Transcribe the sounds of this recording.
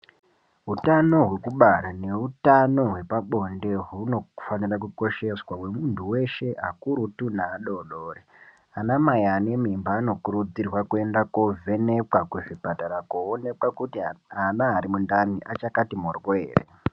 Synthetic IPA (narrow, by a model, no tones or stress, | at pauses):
ɦutano̞ɦwe̞kuɓaɾane̞utano̞ɦwe̞paɓo̞nde̞ɦuno̞fanirak̬uko̞ʃe̞swawe̞muntʰuwe̞ʃe̞akuɾutunaːɗo̞ɗoːre | anamajaːne̞mimbaːno̞kuɾud͡zirwakue̞ndakovʱe̞nekwakuʐipataɾakoone̞kwakutianaːɾimundaniʔat͡ʃakatimorwoḛːrḛ